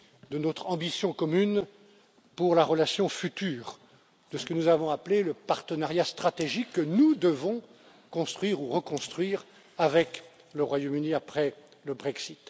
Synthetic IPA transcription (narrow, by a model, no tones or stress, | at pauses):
d̪ənɔt̪χɑ̃bisjɔ̃kɔmyn | puʁlaʁəlasjɔ̃fyt̪yːʁ | d̪̥əsə̥kənuzavɔ̃apleləpaʁt̪ənaʁjast̪χat̪eʒikːənud̪əvɔ̃ | kɔ̃st̪χɥiʁuʁəkɔ̃st̪χɥiːʁ | avɛk | ləʁwajomyniapχɛ | ləbʁɛksit̪